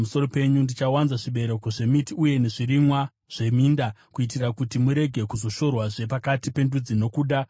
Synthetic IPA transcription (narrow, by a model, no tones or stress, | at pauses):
muso̞ro̞pe̞ɲundit͡ʃawanzaʐiɓe̞ɾe̞ko̞ʐe̞mitiuje̞ne̞ʐirimwa | ʐ̥e̞miːndakuitirakutimuɾe̞ɡʱe̞kuzo̞ʃo̞rwaʐe̞pakatipe̞ndud͡zino̞kuːɗa